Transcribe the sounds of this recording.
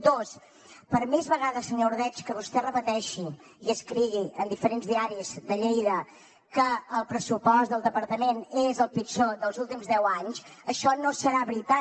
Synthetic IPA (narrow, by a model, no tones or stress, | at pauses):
d̪os | pəɾmezβəɣaðəsəɲoɾðɛt͡ʃkəβust̪ɛrəpət̪ɛʃi | iəskɾiɣiʔənd̪ifəɾenzðiaɾizd̪əʎejðə | kəːlˠpɾəsupɔzðəlˠd̪əpəɾt̪əmenezəlˠpit͡ʃod̪əlˠzulˠt̪imzðɛwaɲsəʃɔnosəɾaβɾit̪a